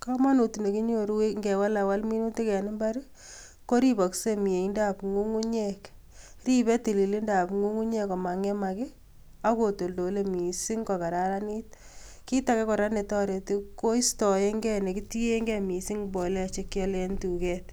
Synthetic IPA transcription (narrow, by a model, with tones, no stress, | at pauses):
ka˦ma˦nu˨ti˨ne˨ki˦ɲo˨ɾu˦we˦ŋɡɛ˨wa˦la˨wa˦lmi˦nu˦ti˦kɛ˨nɪ˦mba˦ɾ | ko˦ɾi˦bɔ˨kse˦mi˨e˨i˦nda˦pŋu˦ŋu˦ɲek | ri˦bɛ˦ti˨li˨li˦nda˨pŋu˦ŋu˦ɲe˦kɔ˨ma˨ŋe˦ma˨kɪ˦ | a˦ko˨to˨ldo˨le˦mi˨si˦ŋkɔ˨ka˨ɾa˦ɾa˦ni˦t̚ | ki˦ta˨˦kɛ˦kɔ˨ɾa˦ne˨tɔ˦ɾe˨ti˦ko˦i˦stɔ˨je˦ŋɡɛ˦ne˨ki˦ti˦je˦ŋɡɛ˦mi˨si˦ŋbo˨lɛ˦˨t͡ʃe˦kjɔ˦lɛ˦ntu˨kɛ˦t